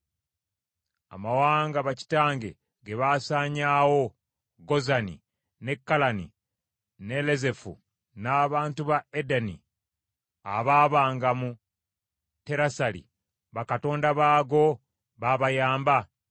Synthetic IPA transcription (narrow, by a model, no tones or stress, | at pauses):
a̰mawaːŋɡaβaci̥taːŋɡe̞̰ | ɡeβasaːɲaːwo̞ | ɡo̞zanḭ | ne̞kːalanḭ | ne̞leze̞fṵ | naːβaːntuβaedanḭ | a̰βaːβaːŋɡamu | te̞ɾasalḭ | βakato̞ːndaβaːɡo̞ | βaβajaːmba